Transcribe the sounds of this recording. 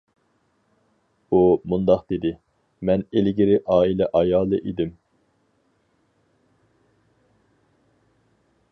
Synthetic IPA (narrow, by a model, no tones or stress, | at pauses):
umund̪ɑqd̪ed̪ɪ | mɛnelɡʲɪɾɪʔɑːilɛʔɑjɑːlˠɨʔed̪ɪm